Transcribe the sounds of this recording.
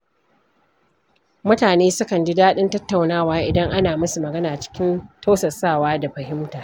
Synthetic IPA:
mʊ˦taː˨neː˦sʊ˦kɐ˨nd͡ʒi˦daː˦ɗɪ˦ntɐ˦tːa˨wnaː˦˨waː˦ʔɪ˨dɐ˦ŋʔa˦naː˨mɐ˦su˨mɐ˨ɡɐ˦naː˨t͡ʃɪ̥˦kʲɪ˦nta˦sɐ˨saː˦˨waː˦da˨ɸɐ˨ɦɪ˦mtaː˨

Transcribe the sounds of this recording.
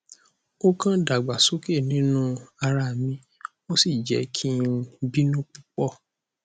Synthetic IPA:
o˦kã˦da˨ɡ͡ba˨so˦ke˦˨nĩ˨˦nũ˦a˧ɾa˧˨mĩ˧ | mo˦si˦˨d͡ʒɛ̰˨˦kʰĩ˦bi˦nũ˦k͡pu˦k͡pɔ˦˨

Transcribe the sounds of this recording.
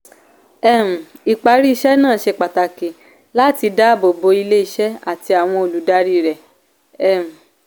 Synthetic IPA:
ɛ˦˨m̩˨i˨k͡pa˨˧ɾi˦i˧ʃɛ˦nãː˦˨ʃe˧k͡pa˨ta˨ke˨ | la˦ti˧da˦˨bo˨bo˧˦i˧le˦i˧ʃɛ˦a˦˨ti˧a˨w̃ɔ̃˧o˨lu˨˦da˦ɾi˦ɾɛ˨ | ɛ˦˨m̩˨

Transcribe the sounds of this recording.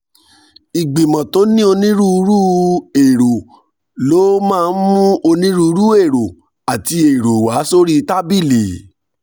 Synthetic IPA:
i˨ɡ͡bĩ˨mã˨to˨˦nĩ˦o˧nĩ˦ɾũ˦u˧˦ɾu˦e˨ɾo˨ | lo˨˦mãː˦˧˨n̩˦mũ˦ʔo˧nĩ˦ɾu˦˧u˧˦ɾu˦e˦˨ɾo˨ | a˨ti˧e˨ɾo˨wa˨˦so˦ɾi˦˧ta˦bi˦˨li˨

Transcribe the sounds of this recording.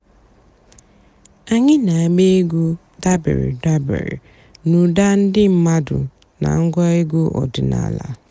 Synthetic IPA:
a˨ɲɪ˦na˨a˨ɡ͡be˦ɡu˦ | da˦bḛ˨ɾḭ˨da˦bḛ˨ɾḭ˨ | nu˨da˦n̩˦dɪ˦m̩˦ma˦dʊ˨ | na̰˨ŋ̩˦ɡʷɔ˦e˦ɡu˦ʔɔ˨dʊ˨na̰˨la˨

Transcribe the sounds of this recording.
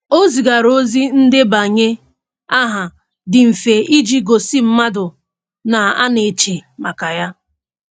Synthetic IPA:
o˦zi˨ɡa˨ɾo˦zi˦n̩˦dɪ˦ba˨ɲe˦ | a˦ɦa˨ | dɪ˨m̩˨fe˨i˦d͡ʒi˦ɡo˨si˦m̩˦ma˦dʊ˨ | na˨a̰˦ne˨t͡ʃe˨ma˨ka˨ja˦

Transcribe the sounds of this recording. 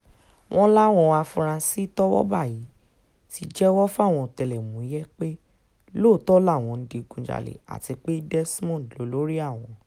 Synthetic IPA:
w̃ʔɔ̃˦la˦w̃ɔ̃˧wa˧fũ˧ɾ̃ã˧si˦tɔ˦wɔ̰˦ba˦˨ji˨˦ | ti˧d͡ʒɛ˦wɔ˦fa˦˨w̃ɔ̃˧˨tɛ˧lɛ˨mũ˨˦i˨˦jɛ˦k͡pe˦ | lo˦˨tɔ˦la˦˨w̃ɔ̃˧n̩˦di˧ɡũ˨d͡ʒa̰˨lḛ˨a̰˨ti˧k͡pe˦dɛ˦smɔ̃˦˨lo˨˦lo˦ɾi˦a˦˨w̃ɔ̃˨

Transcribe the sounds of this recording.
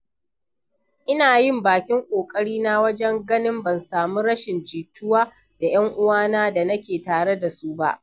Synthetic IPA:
ʔɪ˦naː˨jɪ˦˨mbaː˨kʲɪ˦ŋkʷʼoː˨kʼɐ˦ɽiː˦na˦wɐ˦d͡ʒɛ˦ŋɡɐ˦nɪ˦mbɐ˨nsaː˨mu˦ɾɐ˦ʃɪ˨nd͡ʒiː˨tʊ˦waː˦ | d̥a˨j̰ɐ˦ŋʔʊ˦waː˦naː˦da˨nɐ˦kʲeː˨taː˨ɽe˦da˨su˦ba̰˦ʔ

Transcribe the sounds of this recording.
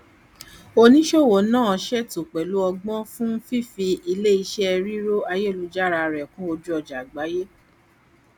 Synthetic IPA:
o˧nĩ˦ʃo˦˨wo˨˦nãː˦˨ʃɛ˦tu˨k͡pɛ˨lu˨˦ɔ˧ɡ͡bɔ̃˦fũ˦fi˦˨fi˧i˧le˦i˧ʃɛ˦ɛ˧ɾi˦ɾo˦a˧je˦˨lu˨˧˦d͡ʒa˦˨ɾa˧ɾɛ˨kũ˦o˧d͡ʒu˦ɔ˧d͡ʒa˨ɡ͡ba˨˦je˦

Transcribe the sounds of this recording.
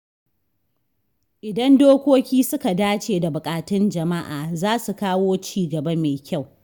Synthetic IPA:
ʔɪ˨dɐ˦ndoː˦kʷoː˦kʲiː˦sʊ˦ka˨daː˦t͡ʃeː˨da˨bʊ˨kʼaː˨tɪ˦nd͡ʒɐ˨ma˦ʔaː˨zaː˦su˨kaː˦woː˦t͡ʃiː˦˨ɡɐ˨bɐ˦meː˨kʲa˦˨w

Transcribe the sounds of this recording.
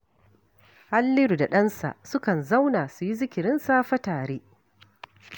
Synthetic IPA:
ha˦lːɪ˦ɾu˨da˨ɗɐ˦nsa̰˨ʔsʊ˦kɐ˨nza˦wnaː˨su˨ji˦zɪ˦kʲɪ˨ɾɪ˦nsaː˦ɸɐ˦taː˨ɽeː˦

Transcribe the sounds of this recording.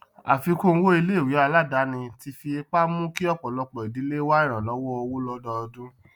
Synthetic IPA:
a˨fi˧ko˦˧˦wo˦i˧le˦i˦˨wi˨˦a˧la˦˨da˨˦nĩ˧ti˧fi˧e˧k͡pa˦mũ˦ki˦ɔ˦k͡pɔ˨lɔ˧k͡pɔ˨i˨di˨˦le˦wa˦i˦˨ɾ̃ã˨lɔ˨˦wɔ˦ɔ˧wo˦lɔ˧dɔ˧ɔ˧dũ˦

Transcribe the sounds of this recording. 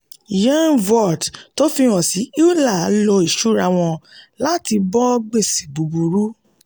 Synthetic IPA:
jã˦nvɔ˨dto˦fi˧ɾ̃ɔ̃˨si˨˦i˦u˦la˦˨a˨˦lo˧i˦˨ʃu˦ɾa˧w̃ɔ̃˧la˦ti˧bɔ˦ɡ͡be˦˨si˨ɡ͡bu˨bu˧ɾu˦

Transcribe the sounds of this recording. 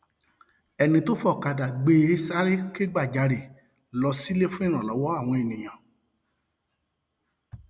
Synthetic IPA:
ɛ˨nĩ˧to˦fɔ˦˨ka˨da˨ɡ͡be˧˦e˦sa˦ɾe˦ke˦ɡ͡ba˦˨d͡ʒa˨˧ɾe˨ | lɔ˧si˦le˦fũ˦i˦˨ɾ̃ã˨lɔ˨˦wɔ˦a˦˨w̃ɔ̃˧e˨nĩ˨j̃ã˨

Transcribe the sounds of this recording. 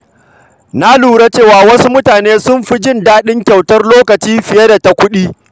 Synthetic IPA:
na˦luː˨ɾa˦t͡ʃeː˦˨waː˦˨wɐ˦su˦mʊ˦taː˨neː˦sʊ˦mɸi˦d͡ʒɪ˦˨ndaː˦ɗɪ˦ŋkʲa˨wtɐ˦rloː˦kɐ˨t͡ʃiː˦ɸɪ˨je˦da˨ta˨˦kʷʊ˦ɗiː˦

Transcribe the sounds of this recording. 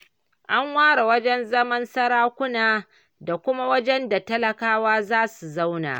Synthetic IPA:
ʔa˦ŋwaː˦ɽa˨wɐ˦d͡ʒɛ˦nzɐ˦mɐ˦nsɐ˦ɽaː˦kʷʊ˦naː˨ | da˨kʷʊ˦ma˦wɐ˦d͡ʒɛ˦nda˨tɐ˦lɐ˨kaː˦waː˦zaː˦su˨za˦wna̰ː˨

